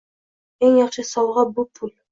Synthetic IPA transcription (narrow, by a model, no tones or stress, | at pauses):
eŋjɑqʃɤsɑwˠʁɑbupʰul